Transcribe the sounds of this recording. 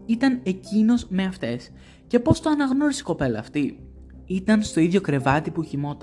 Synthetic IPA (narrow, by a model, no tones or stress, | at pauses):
it̪ɐne̞cino̞zme̞ɐft̪e̞s | ce̞po̞st̪oɐnɐɣno̞ɾisi̥ko̞pe̞lɐːft̪i | it̪ɐnst̪o̞iðʝo̞kɾe̞vɐt̪ipuçimo̞t̪ɐ